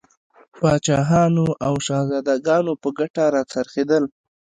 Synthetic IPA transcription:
pɑt͡ʃɑɦɑnoʔawʃɑzɑd̪aɡɑnopəɡaʈaɾɑt͡saɾxed̪əl

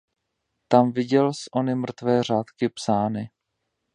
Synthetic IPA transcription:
t̪amvɪɟɛlsʔo̞nɪmr̩t̪vɛːr̝aːt̪kɪpsaːnɪ

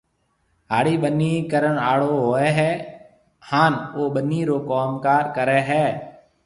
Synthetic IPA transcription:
ɦaːɽiːɓəniːkəɾəɳaːɽoːɦoːɛːɦɛː | haːnoːɓəniːɾoːkoːmkaːɾkəɾɛːɦɛː

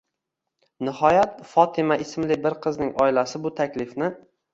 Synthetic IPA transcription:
nɪhɒjat̪fɒt̪ʰɪmaʔɪsmlɪbɪɾqʰɨznɪŋɒɪlasɪbʊt̪ʰakʲlɪfnɪ

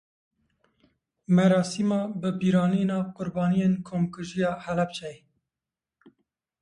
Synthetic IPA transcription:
mɛɾɑːsimɑːbɨbiːɾɑːninɑːvqʊɾbɑːnijeːnkʰoːmkɨʒijɑːhɛlɛp̚t͡ʃʰɛj

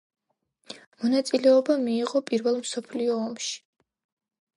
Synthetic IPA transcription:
mɔnat̪sʼilɛɔbamiːʁɔpʼiɾvɛlˠmsɔpʰliɔːmʃi̥

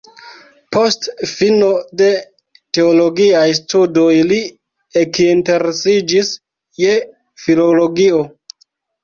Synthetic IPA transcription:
po̞stfino̞de̞ | te̞olo̞ɡiajstudojli | ekinte̞ɾesid͡ʒis | je̞ | filolo̞ɡio̞

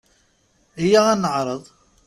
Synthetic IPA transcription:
ɦijːaænːəʕɾˤəðˤ

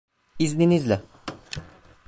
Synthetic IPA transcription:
izninizlʲɛ

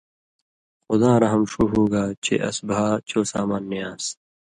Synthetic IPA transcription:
xʊd̪ãːɾɐɦɐmʂuːɦoːɡaːt͡ɕʰḛʔɐ̰sbaːt͡ɕʰoːsa̰ːmaːnːijaːs

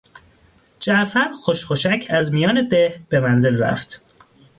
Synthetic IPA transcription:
d͡ʒæʔfæɾxoʃxoʃæcʰæzmijɒːne̞d̪ehb̥emænze̞lræ̰ft̪

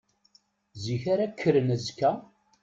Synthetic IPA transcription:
ziçaɾakʰːəɾənæzkːæ

